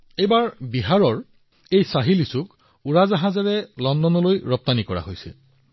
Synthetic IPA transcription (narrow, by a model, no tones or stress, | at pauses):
ejbaɹbiɦaɹɔɹ | ejsaɦilisuk | uɹazaɦãzaɹɛlɔndɔnɔlojɹɔp̚t̪anikɔɹa̰ɦojsḭl